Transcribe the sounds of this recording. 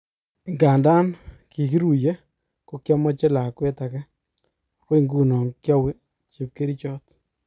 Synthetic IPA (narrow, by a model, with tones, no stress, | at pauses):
i˨ŋɡa˨nda˦nki˨k̬i˦ɾu˨je˦ | ko˨kjɔ˦mɔ˦t͡ʃe˦la˨kwe˦ta˨kɛ˦ | a˨kɔ˦i˦ŋɡu˦nɔ˨ŋkjɔ˦wi˦ | t͡ʃi˨p̚ke˦ɾi˦t͡ʃɔ˦t